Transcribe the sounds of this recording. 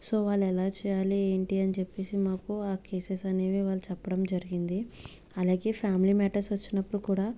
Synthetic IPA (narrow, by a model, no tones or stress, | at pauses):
so̞ːʋaːɭːɛlaːt͡ʃɛːjaːlieːɳʈiɐnit͡ʃepːe̞ːsimaːkuaːkeːsesɐne̞ːʋiʋaːɭːut͡ʃɛpːɐɽɐmd͡ʒɐɾiɡind̪i | ɐlaːɡe̞ːpʰjaːmliːmɛːʈɐɾsʋɐt͡ʃːinɐpːuɽukuːɽaː